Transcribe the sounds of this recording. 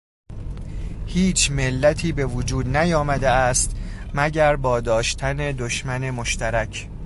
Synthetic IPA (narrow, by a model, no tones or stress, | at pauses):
hiːt͡ʃʰme̞lːæt̪ʰiːbe̞vod͡ʒuːd̪næjɒːmæd̪eæst̪mæɟæɾbɒːd̪ɒːʃt̪ʰæne̞d̪oʃmæne̞moʃt̪ʰæɾæcʰ